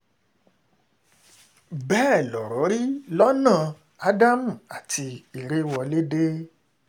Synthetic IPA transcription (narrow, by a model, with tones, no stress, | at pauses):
bɛː˦˨lɔ˨ɾɔ˨˦ɾi˦lɔ˦nãː˦˨ | a˦da˦mũ˦˨a˨ti˧i˨ɾe˦wɔ˧le˦de˦